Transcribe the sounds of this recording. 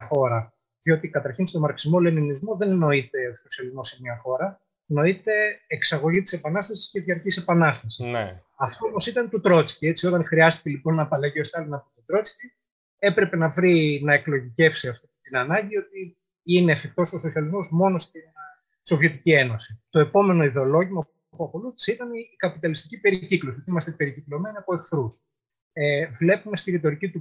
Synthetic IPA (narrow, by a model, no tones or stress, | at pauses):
ɐxo̞ɾɐ | ðio̞t̪ikɐt̪ɐɾçinst̪o̞mɐɾksizmo̞le̞ninizmo̞ðe̞nno̞it̪e̞oso̞siɐlizmo̞semɲɐxo̞ɾɐ | no̞it̪e̞ːksɐɣo̞ʝit̪i̥se̞pɐnɐst̪ɐsi̥sceðiɐɾcise̞pɐnɐst̪ɐsi | ɐft̪oomo̞sit̪ɐnt̪ut̪ɾo̞t͡si̥cie̞t͡sio̞t̪ɐŋxɾiɐst̪i̥celipo̞nːɐpɐlɐʝio̞st̪ɐlinɐpit̪ot̪ɾo̞t͡sci | e̞pɾe̞pe̞nɐvɾinɐe̞klo̞ʝice̞fsiɐft̪it̪inɐnɐɲɟiot̪i | ine̞ːfek̚t̪o̞soso̞siɐlizmo̞zmo̞no̞st̪in | so̞vʝe̞t̪icie̞no̞sit̪o̞e̞po̞me̞no̞iðe̞o̞lo̞ʝimɐ | puɐko̞luθi̥seit̪ɐniːkɐpit̪ɐlist̪i̥cipe̞ɾiciklosiot̪iimɐst̪epe̞ɾiciklo̞me̞niɐpoefθɾus | evle̞pume̞st̪iɾit̪o̞ɾicit̪u